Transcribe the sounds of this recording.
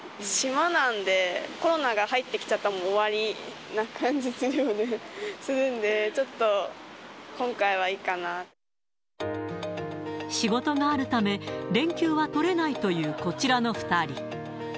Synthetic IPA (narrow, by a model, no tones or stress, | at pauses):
ɕimanãnd̪e̞ko̞ɾo̞naɡahait̪ːe̞kʲi̥t͡ɕat̪ːamoːβaɾʲi | nakʰãɲ̟d͡ʑisɨɾɯ̟jonesɨɾɯ̟̃nd̪e̞t͡ɕo̞t̪ːo̞ | kõ̞ŋkaiβ̞aiːkana | ɕiɡo̞t̪o̞ɡaːɾɯ̟t̪ame̞ɾẽ̞ŋkʲɨːβat̪o̞ɾe̞nait̪o̞jɯ̟ːko̞t͡ɕiɾano̞ɸɯ̟̥t̪aɾʲi